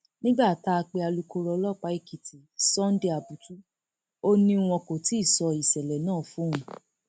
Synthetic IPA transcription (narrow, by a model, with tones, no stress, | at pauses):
nĩ˦ɡ͡ba˦˨ta˦a˧k͡pe˧a˧lu˦ko˧˦ɾɔ˧˦lɔ˦˨k͡pa˨˦i˦˨ki˨ti˨sɔ̃˦n˦de˧a˨bu˨˦tu˦ | o˦nĩ˧w̃ɔ̃˧ko˨ti˦i˦˨sɔ˧i˨sɛ˨lɛ˨nãː˦˨fũ˦ũ˨